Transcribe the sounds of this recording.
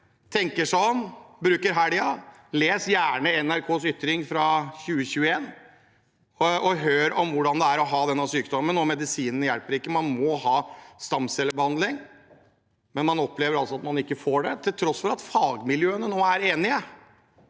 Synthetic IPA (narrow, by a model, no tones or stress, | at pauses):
t̪ʰɛŋkəʂɔnbɾʉːkəɾɦæɖɪɑ | leːsjæːɳəɛnæɾkʰoːsʏt̪ɾɪŋfɾɑɕʉːəçʉːəeːn | ɔʔɔɦøːɾɔmʋʊɖɑnd̪ɛæɾɔɦɑːd̪ɛnːɑʋsyːkd̪ɔmmːənnoːmɛd̪ɪsiːnənəjælpəɾɪkːəmɑnmɔhɑːst̪ɑmsɛlːəɾbəhɑnd̪lɪŋ | mɛnmɑnɔpːleːʋəɾɑlsɔɑt̪mɑnɪkːəfoːɖɛt̪ʰɪlt̪ʰɾɔsfɔɾɑt̪fɑːɡmɪljøːənənoːæɾeːnɪə